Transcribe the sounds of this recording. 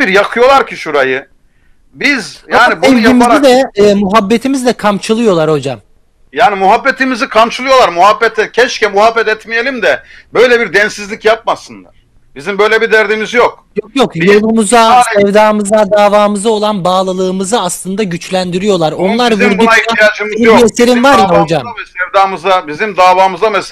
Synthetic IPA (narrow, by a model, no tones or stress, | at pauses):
biɾjakʰɯjo̞lˠaɾcʰiʃuɾajɯ | bizjaːnibɛvimizid̪ɛːmuɦabːet̪ʰimizd̪ɛkʰamt͡ʃʰɯlˠɯjo̞lˠaɾho̞d͡ʒam | jaːnimuɦabːet̪ʰimizikʰamt͡ʃʰɯlˠɯjo̞lˠaɾmuɦabːɛt̪ʰɛcʰɛt͡ʃcɛmuɦabːɛt̪ɛt̪mijelʲimd̪ɛbø̞jlʲɛbiɾd̪ɛnsizlʲicjap̚masɯnlˠa̰ɾ̥ | bizimbø̞jlʲɛbid̪æɾd̪imizjok̚jokjo̞kjo̞lˠumuzasɛvd̪aːmɯzad̪aːvaːmɯzao̞lˠanbaːlˠɯlˠɯːmɯzɯaslˠɯnd̪aɟyt͡ʃlʲænd̪iɾijo̞lˠaɾo̞nlˠaɾvuɾd̪uaeaijad͡ʒmiiiese̞ɾinvaɾjaho̞d͡ʒamsɛvd̪aːmɯzabizimd̪aːvaːmɯzamɛs